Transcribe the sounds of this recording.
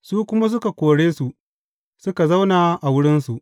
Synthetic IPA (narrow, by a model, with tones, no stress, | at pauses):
suː˦kʷʊ˦ma˦s̬ʊ˦ka˨kʷoː˨ɽeː˦su˨ʔ | sʊ˦ka˨za˦wnaː˨ʔa˨wʊ˦ɽɪ˦nsu˨ʔ